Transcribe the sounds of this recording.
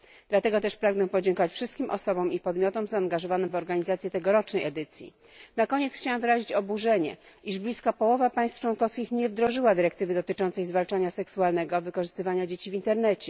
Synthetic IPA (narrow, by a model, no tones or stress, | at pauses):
d̪̥lat̪ɛɡɔt̪ɛʂpɾaɡnɛpɔd͡ʑɛŋkɔvat͡ɕfʂɘst̪̚kʲimʔɔ̰sɔbɔmipɔd̪mʲjɔt̪ɔmzaːŋɡaʐɔvanɘmvɔɾɡaɲizat̪sʲjɛt̪ɛɡɔɾɔt͡ʂnɛjɛd̪ɘt̪sʲjḭ | nakɔɲɛt̪sxt͡ɕawɛmvɘɾaʑit͡ɕɔbuʐɛɲɛ̰ | iʐblʲiskapɔwɔvapaj̃st̪ft͡ʂwɔnkɔfskʲixɲɛvd̪ɾɔʐɘwad̪ɘɾɛkt̪ɘvɘd̪ɔt̪ɘt͡ʂɔnt̪sɛjzvalt͡ʂaɲasɛksualnɛɡɔvɘkɔʐɘst̪ɘvaɲad͡ʑet͡ɕivʲint̪ɛɾnɛt͡ɕɛ